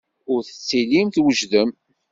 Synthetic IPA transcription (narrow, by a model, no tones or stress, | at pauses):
ʊɾθə̥t͡sːilimθwəʒðəm